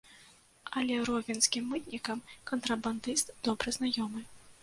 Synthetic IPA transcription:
ɐlʲɛɾɔvʲinskʲimːɨt̪̚nʲikɐmkɐnt̪ɾɐband̪ɨst̪d̪̥ɔbɾɨznajɔmɨ

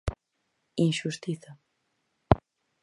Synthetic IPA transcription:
inʃust̪iθa

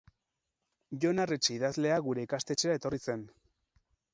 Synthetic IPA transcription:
ʝo̞naret͡ʃeiðazle̞aɣuɾe̞ikast̪e̞t͡ʃeae̞t̪o̞rise̞n

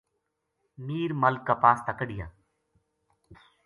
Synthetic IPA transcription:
miːɾməlkːaːpaːst̪əkəɽɪja̰ː

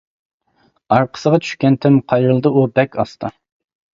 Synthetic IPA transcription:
ɑɾqʰə̥səʁɑt͡ʃʰy̥ʃkʲɛnt̪ʰɪmqʰɑjɾɨlˠd̪ɨubɛkʲɑst̪ʰɑ

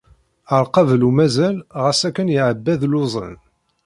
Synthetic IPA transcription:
əɾˤqɑvlumæzælʁəsækːənjəʕəbːæðlʊzˤə̰n

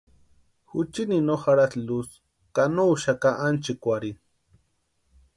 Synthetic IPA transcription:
xut͡ʃininoxaɾaslus | kanouʃakaʔant͡ʃikʷaɾin

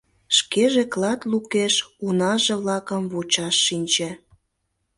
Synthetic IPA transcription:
ʃkeʒeklɑt̪lukeʃunɑʒeβlɑkəmβut͡ɕɑʃːinʲt͡ɕĕ

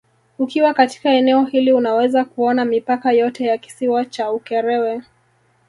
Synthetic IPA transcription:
ukiwakati̥kaɛnɛɔhiliunawɛzakuɔnamipakajɔtɛjaki̥siwat͡ʃaukɛɾɛwɛ

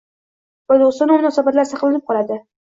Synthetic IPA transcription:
vad̪ost̪ɒnamʊnɒːsabat̪laɾsɑqlˠanɪp̚qɒlˠad̪ɪ

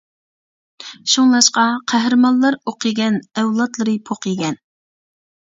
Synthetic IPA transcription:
ʃuŋlˠɑʃqɑqʰæɦɾɨmɑllˠɑɾoqʰɨɡʲɛnɛwlˠɑt̪lˠɨɾɨpʰoqiɡʲɛn

